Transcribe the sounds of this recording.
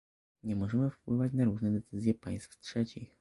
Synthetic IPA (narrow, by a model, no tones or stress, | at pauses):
ɲɛmɔʐɛmɘfpwɘvat͡ɕnaɾuʐnɛd̪ɛt̪sɘzʲjɛpaj̃st̪ftʂɛt͡ɕix